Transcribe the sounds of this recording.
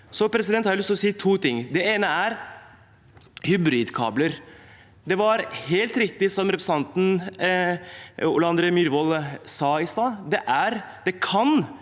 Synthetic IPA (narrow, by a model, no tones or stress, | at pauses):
sɔpʰɾɛs̬ɪd̪ɛnhɑɾlʏst̪lɔsiːt̪ʰuːt̪ɪŋːd̪ɛeːnəæɾ | hʏbɾiːd̪kʰɑ̰ːbləɾ | d̪ɛʋɑɾheːlt̪ɾɪkt̪ɪsɔmɾɛpɾəsɑnt̪n̩ | ʊ̰lɑnd̪ɾəmyɾʋɔlsɑːɪst̪ɑːd̪ɛʔæɾd̪ɛkʰɑn